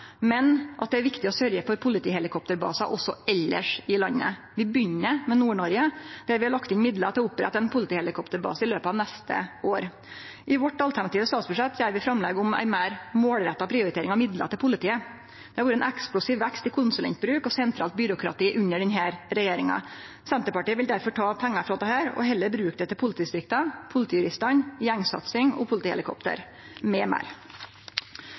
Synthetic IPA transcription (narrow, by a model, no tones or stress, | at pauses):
mɛnʔɑ̰t̪̚d̪ɛæɾʋɪkt̪ɪɔsœɾjəfɔɾpʰʊlɪt̪ʰiːhɛlɪkʰɔp̚t̪əɾbɑ̰ːsɑʔɔsːɔɛlːə̰ʂɪlɑnːə̰ | ʋɪbʏnːəmɛnuːɳɔɾjəd̪̥ɛæɾʋɪhɑɭɑkt̪ɪnmɪd̪lət̪ʰɪɔʊpːɾɛ̰t̪ːɛnpʰʊlɪt̪iːhɛlɪkʰɔpt̪əɾbɑ̰ːsɪløːpəɑʋnɛst̪ə̰ʔoːɾ | ʔɪʋɔʈːɑlt̪æɳɑt̪iːʋəst̪ɑːt̪sbʉʂɛt̪ːsæɾʋɪfɾɑmlɛɡʊmæ̰ɪmæɪɾmoːlɾɛt̪ːɑpʰɾɪʊɾɪt̪eːɾɪŋɑmɪd̪lə̰t̪ɪpʰʊlɪt̪ʰiːə | d̪̥ɛhɑʋuːɾəɛnʔɛksplʊsiːʋʋɛkst̪ɪkʰʊnsʉlɛ̰nt̪̚bɾʉːkɔsɛnt̪ʰɾɑːlt̪̚bʏɾʊkɾɑ̰t̪iːʔʉɲːəɖɛnɦæːɾɾɛjeːɾɪŋɑ̰ | sɛnt̪əɾpɑʈiːəʋɪld̪æɾfɔʈʰɑːpʰɛŋːɑfɾɑd̪ɛhæːɾɔ̰ɦɛlːəɾbɾʉːk̚d̪ɛt̪ʰːɛpʰʊlɪt̪iːd̪ɪst̪ɾɪkt̪ɑpʰʊlɪt̪iːjʉɾɪst̪ɑnjɛŋsɑ̰t̪sɪŋɔ̰pʰʊlɪt̪iːhɛ̰lɪkʰɔ̰pt̪ə̰ɾ | mɛmæ̰ːɾ